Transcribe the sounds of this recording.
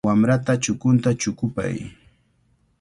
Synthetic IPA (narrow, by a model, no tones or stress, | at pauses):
amɾat̪at͡ʃʊkʊnt̪at͡ʃʊkʊpa̰j